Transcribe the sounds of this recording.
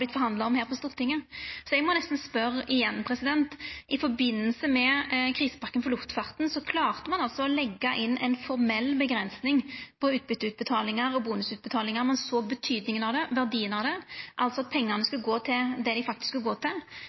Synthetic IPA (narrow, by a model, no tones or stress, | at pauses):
ɪt̪fɔɾhɑnd̪lɑɔmhæːɾpʰɔst̪uːʁət̪ɪŋːəsɔɛɡmɔnɛst̪n̩spœʁɪjɛnːpʰɾɛsɪd̪ɛnt̪ʔɪfɔɾbɪnːəlsəmɛkʰʁiːsə̥pɑkːənfɔlʊft̪fɑʁt̪n̩sɔkʰlɑːʁt̪əmɑnɑlsɔɔlɛɡːɑʔɪnːʔɛ̰ɪnfɔʁmɛlːbəɡɾɛnsnɪŋpʰɔʉːt̪̚bʏt̪ːʉːt̪̚bət̪ʰɑːlɪŋəɾɔbuːnʉsʉːt̪̚bət̪ʰɑːlɪŋɑɾmɑnsoːɡbət̪ʰyːd̪nɪŋənɑd̪ɛʋæʁd̪iːənɑd̪ɛʔɑlt̪sɔɑt̪̚pʰɛŋːənəskʉlɡoːt̪ʰɪld̪ɛd̪ɪfɑkt̪ɪ̥skʉlɡoːt̪ʰɪl